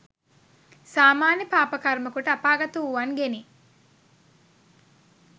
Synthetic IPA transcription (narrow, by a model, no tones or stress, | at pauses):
saːmaːnjɐpaːpɐkɐɾmɐkuʈəɐpaːɡɐt̪uuʋɐŋɡeni